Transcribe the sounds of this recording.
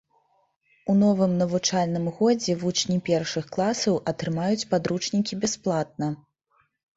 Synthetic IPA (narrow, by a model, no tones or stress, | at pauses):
unɔvɨmnɐvut͡ʂalʲnɨmɣɔd͡zʲɛvut͡ʂnʲipʲɛrʂɨxklˠasɐwʔɐt̪ɾɨmajut͡sʲpad̪ɾut͡ʂnʲikʲibʲɛsplˠat̪̚nɐ